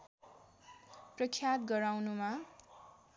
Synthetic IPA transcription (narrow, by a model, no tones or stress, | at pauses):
prʌkʰːjat̪ɡʌɾawnuma